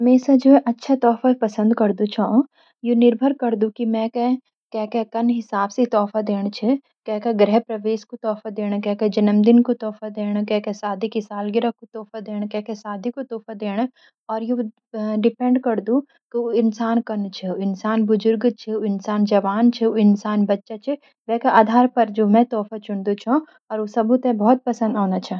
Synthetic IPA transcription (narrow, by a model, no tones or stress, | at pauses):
mẽːsad͡ʒoːʔɐtːʃʰat̪ɔːfapɐsə̃nd̪kɐɾd̪ut͡ʃʰãː | jonɪɾbʱəɾkɐɾd̪ũkimɛ̃kɛ | kɛːkɛkɐnɦɪsaːbset̪ɔːfad̪eːɽ̃t͡ʃʰɛ | kɛːkɛɡɾɛɦpɾɐʋeːʃkot̪ɔːfad̪eːɽ̃kɛkɛd͡ʒɐnəmd̪ɪnkot̪ɔːfad̪eːɽ̃kɛːkɛsaːd̪ʱikisaːlɡɪɾakot̪ɔːfad̪eːɽ̃kɛːkɛsaːd̪ʱikot̪ɔːfad̪eːɽ̃ | ɔːɾje | ɖɪpɛ̃ɳɖkɐɾd̪ũ | kioɪnsaːnkɐnt͡ʃʰɛɪnsaːnbʊzʊɾɡt͡ʃʰeoɪnsaːnd͡ʒɐʋaːnt͡ʃʰeoɪnsaːnbɐtːʃat͡ʃʰe | ʋɛːkeʔaːd̪ʱaːɾpɐɾd͡ʒoːmɛ̃t̪ɔːfat͡ʃʊɳd̪ut͡ʃʰã | ɔːɾosɐbʱut̪ẽbɔɦːɔt̪̚pɐsə̃nd̪aːnat͡ʃʰa